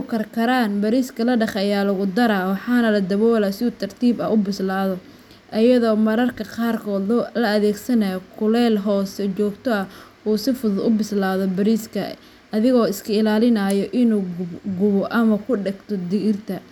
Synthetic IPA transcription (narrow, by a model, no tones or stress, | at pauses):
kʰɐrkʰɐɾaːnbɐɾiːskʰɐlɐɖɑχɐjaːlɐɣʊd̪ɐɾaːwɑħɑːnɐlɐd̪ɐβɔːlɐsɪuːt̪ʰɐrt̪ʰiːbɐ̰ʊbɪslaːðɔ | ʔɐjɐðɔːmɐɾɐrkʰɐqɑːrkʰɔːd̪lɐɐðɛːɡsɐnɐjɔkʰʊlɛːlɦɔːsɛt͡ʃɔːɡt̪ʰɔɐ | uːsɪfʊðʊd̪ʊbɪslaːðɔbɐɾiːskʰɐ | ʔɐðɪɣɔːɪskʰɐɪlaːlɪnajɔʔɪnuːɡʊɡʊβɔʔɐmɐkʰʊɖɛɡt̪ʰɔd̪ɪɣɪrt̪ʰɐ